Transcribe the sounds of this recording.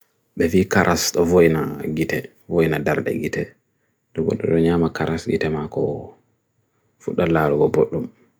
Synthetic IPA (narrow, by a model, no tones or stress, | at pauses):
ɓɛviːkaɾʔasɗɔvojnaɡitɛ | vojnadaɾdɛ̰ɡitɛ | ɗɔbɔ̰ɗːɔɗɔɲaːmakaɾʔasɡḭtɛmakɔ̰ | fuɗːalaːɾuɡɔboɗːum